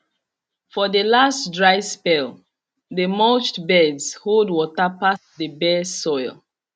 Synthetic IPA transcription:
fɔðəlastdɹaɪspɛl | ðəmot͡ʃtbɛdz̥holdwɔtapasdəbɛsɔɪlˠ

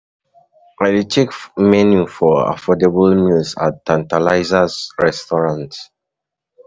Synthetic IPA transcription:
alitʰekmɛnjufɔa̰fɔdebəlmilsa̰ttːãntalaɪzazɹɛstɔɹãnt

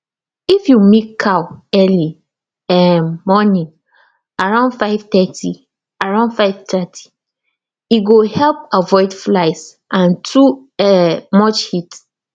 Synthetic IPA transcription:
ifjumikʰːawɛli | ɛmɔnĩŋ | aɹãʊ̃ndfaɪvt̪ɛtʰi | aɹãʊ̃ndfaɪvtʰɛtʰi̥ | iɡohɛlp̚avɔɪdflaɪs | ʔãntʰu | ɛmɔt͡ʃhit

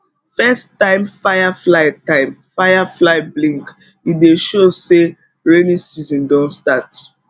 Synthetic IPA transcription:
fɛstãɪ̃mfajaflaɪtãɪ̃mfaɪjaflaɪblĩŋk | ideʃose | ɹenisizɔ̃ndɔ̃nstat

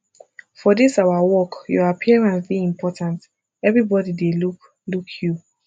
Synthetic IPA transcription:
fɔdisaʊwawɔkjɔapʰiɛɹãnsbiĩmpʰɔtãnt | ɛvɹibɔdideluk | lukʰju

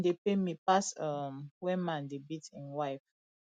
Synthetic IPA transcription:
depemipasamwɛ̃nmãndebitĩnwajf

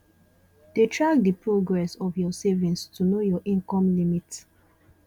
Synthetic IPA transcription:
d̥etʰɹaɡ̚dipɹoɡɹɛsɔfjɔsevĩnstunojɔʔĩŋkɔ̃mlimit

